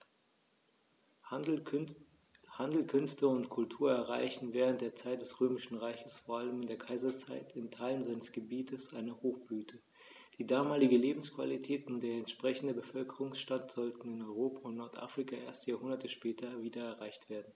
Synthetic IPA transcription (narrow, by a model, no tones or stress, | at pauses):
handl̩kʰʏnstəʊntkʰʊltʰuːɐɛɐʁa̰ɪçn̩vɛːʁ̞əntd̥eːɐt͡saɪt̚d̥ɛsʁøːmɪʃn̩ʁaɪçəsfoːɐʔaləmɪndeːɐkʰaɪzɐt͡saɪtʰɪntʰaɪlənzaɪnəsɡ̥əbiːtʰəsʔaɪnəhoːxb̥yːtʰə | d̥iːdaːmaːlɪɡn̩leːbm̩skv̥a̰litʰɛːtʊnd̥eːɐɛntʃpʁ̥ɛçn̩dəbəfœlkəʁʊŋsʃtatz̥ɔltn̩ɪnɔʏʁoːpaʊntnɔɐtʔa̰ːfʁ̥ikaʔeːɐstjaːhʊndɐtʰəʃpɛːtʰɐviːdɐɛɐʁaɪçtv̥eːɐdn̩